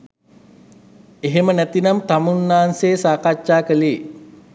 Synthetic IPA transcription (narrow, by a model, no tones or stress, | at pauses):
eɦemənæt̪inamt̪amunːaːnseːsaːkaʃaːkəliː